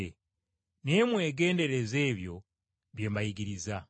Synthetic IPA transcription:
e | ne̞mwe̞ːɡe̞ːnde̞ɾe̞ze̞ːβjo̞̰ | βje̞ːmbajiɡiɾiza

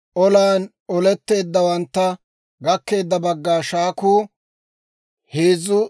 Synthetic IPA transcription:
ʔɔlaːn | ɔlɛt̪ːe̞ːd̪ːɐwɐnt̪ːɐ | ɡɐkːe̞ːd̪ːɐbɐɡːaːʃaːkuː | heːzʊ

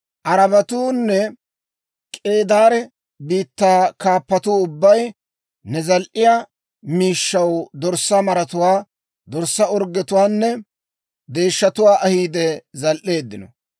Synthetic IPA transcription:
ʔɐɾɐbɐt̪uːnːɛ | kʼe̞ːd̪aːɾɛ | biːt̪ːaːkaːpːɐt̪uːʊbːɐj | nɛzɐlʔɪja | miːʃːɐwd̪ɔɾsɐmɐɾɐt̪ʊwaː | d̪ɔɾsːɐɔɾɡːɛt̪ʊwaːnːɛ | d̪e̞ːʃːɐt̪ʊwaːʔɐhiːd̪ɛzɐlʔe̞ːd̪ːɪnɔ̰

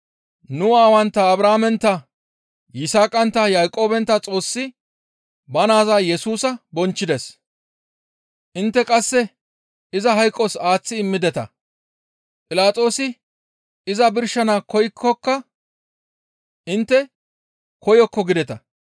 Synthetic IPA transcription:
nʊwaːwɐnt̪ːɐːbɾaːmɛnt̪ːɐ | jɪsaːkʼɐnt̪ːɐjaːjkʼo̞ːbɛnt̪ːɐt͡sʼo̞ːsːɪ | bɐnaːzaːjɛsuːsɐbɔnt͡ʃːɪd̪ɛs | ʔɪnt̪ːɛkʼɐsːɛ | ɪzɐɦɐjkʼːɔsaːt͡sːɪɪmːɪd̪ɛt̪ɐ̰ | pʼɪlaːt͡sʼo̞ːsɪ | ɪzɐbɪɾʃɐnakɔjkʰːɔkːɐ | ʔɪnt̪ːɛ | kɔjɔkːɔɡɪd̪ɛt̪ɐ

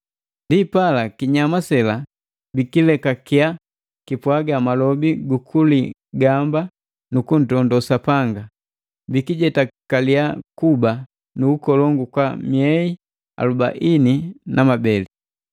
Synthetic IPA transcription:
ndipalakiɲamasɛla | bikilɛkakia | kipwaɡamalɔbiɡukʰuli | ɡamba | nukun̩tɔndɔsapaŋɡa | bikiɟɛtakaliakuba | nuːkɔlɔŋɡukwamiɛi | a̰luba̰ʔininʔamabɛli

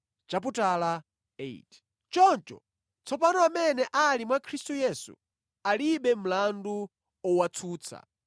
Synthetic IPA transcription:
t͡ʃap̬utala | ḛit | t͡ʃɔnt͡ʃɔ̰ | t͡sʰɔpanɔamɛnɛʔalimwakʰɾistujɛsṵ | aliɓɛm̩landu | ɔwat͡sʰuːt͡sʰa̰

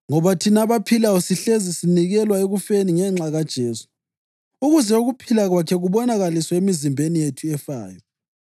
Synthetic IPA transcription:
ŋɔβatʰinaβapʰilaɔsiɬezisiniɣɛlwaeɣufeniŋɛŋ͡ǁaɣad̥ʒ̥ʱeːsu̥ | uɣuzɛuɣupʰilaɣwakʰɛɣuβɔnaɣaliswɔemizimbʱenijetʰuɛfa̰ːjɔ

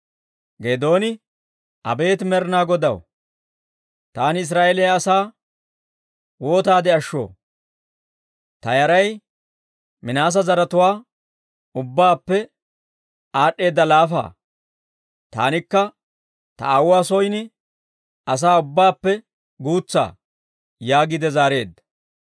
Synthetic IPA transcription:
ɡed̪o̞ːnɪ | ʔɐ̰be̞ːt̪mɛɾnaːɡɔd̪ɐ̰w | t̪aːnɪs̬ɾaːelɪjaːsaː | wo̞ːt̪aːd̪ɪɐʃːo̰ː | t̪ɐjɐɾɐj | mɪnaːs̬ɐzɐɾɐt̪ʊwaː | ʊbːaːpːɛ | aːɗːe̞ːd̪ːɐlaːfa̰ː | t̪a̰ːnɪkːɐ | t̪ɐ̰awːaːsɔjnɪ | ɐs̬aːʊbːaːpːɛ | ɡuːt͡sːa̰ː | jaːɡɪd̪ɛzaːɾe̞ːd̪ɐ

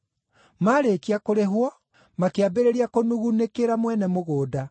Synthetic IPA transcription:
maɾekiakoɾeɦwɔ | makeabeɾeɾiakonuɣunekeɾamwɛnɛmoɣoːda

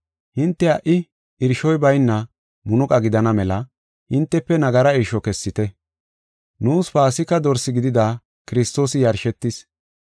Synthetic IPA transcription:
hɪnt̪ːɛɐʔɪ | ɪɾʃɔjbɐjnːɐ | mʊnʊkʼɐɡɪd̪ɐnɐmɛlɐ | hɪnt̪ːɛpːɛnɐɡɐɾɐɪɾʃɔkɛsːɪt̪ɛ | nuːsfaːsɪkːɐd̪ɔɾsːɪɡɪd̪ɪd̪aː | kɪɾɪst̪o̞ːsɪjɐɾʃɛt̪ːɪs

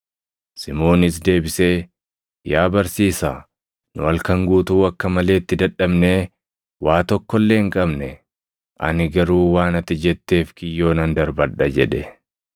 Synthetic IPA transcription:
sɪmo̞ːnɪs̬d̪e̞ːbɪse̞ː | jaːbɐɾsiːsaː | nʊɐlkɐŋɡuːt̪uːɐkːɐmɐle̞ːt̪ːɪd̪ɐᶑːɐbneː | waːt̪ɔkːɔlːe̞ːŋkʼɐbnɛ | ʔɐ̰nɪɡɐɾuːwaːnɐt̪ːɪd͡ʒɛt̪ːe̞ːfkɪjːo̞ːnɐnd̪ɐɾbɐᶑɐd͡ʒɛ̰ᶑɛ

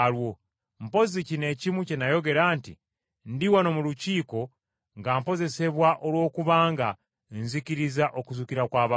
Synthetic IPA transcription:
lwo̞ | m̩po̞zicine̞cimucenajo̞ɡe̞ɾaːntḭ | ndiwano̞muluciːko̞ | ŋɡampo̞ze̞se̞βwaʔolwo̞ːkuβaːŋɡa | nziciɾizaʔo̞kuzukiɾakwaːβa

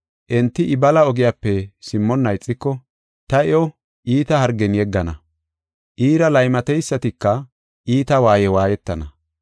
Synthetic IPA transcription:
ʔɛnt̪ːɪʔɪbɐlɐɔɡɪjaːpːɛsɪmːɔnːɐjt͡sʼːɪkːɔ | t̪ɐɛɔ | ʔiːt̪ɐhɐɾɡɛnjɛɡːɐnɐ | ʔiːɾɐlɐjmɐt̪ɛjsːɐt̪ɪkːɐ | ʔiːt̪ɐwaːjɛwaːjɛt̪ːɐnɐ

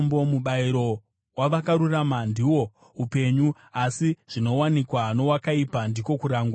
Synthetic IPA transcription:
mbo̞muɓaiɾo̞ | waʋakaɾuramandiwo̞ | upe̞ɲu | asiʐ̥ino̞wanikwano̞wakaipandiko̞kuɾaːŋɡa

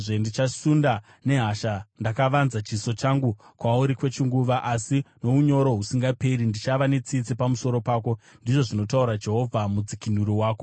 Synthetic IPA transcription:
ʐe̞ndit͡ʃasunda | ne̞ɦaʃandakaʋanzat͡ʃiso̞t͡ʃaŋɡukwauɾikwe̞t͡ʃiŋɡuʋaʔasino̞uɲo̞ɾo̞ɦusiŋɡape̞ɾindit͡ʃaʋane̞t͡sit͡sipamuso̞ɾo̞paːko̞ndiʐo̞ʐino̞tauɾad͡ʒe̞ɦo̞vʱamud͡zikinuɾiwaːko

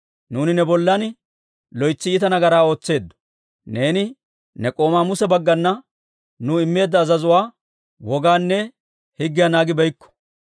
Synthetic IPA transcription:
nuːnɪnɛbɔlːɐn | lɔjt͡sːɪɪt̪ɐnɐɡɐɾaːo̞ːt͡sːe̞ːd̪ːɔ̥ | ne̞ːnɪ | nɛkʼo̞ːmaːmʊsɛbɐɡːɐnːɐ | nʊɪmːe̞ːd̪ːɐːzɐzʊwaː | wɔɡaːnːɛ | hɪɡːɪjanaːɡɪbɛjkːɔ̥

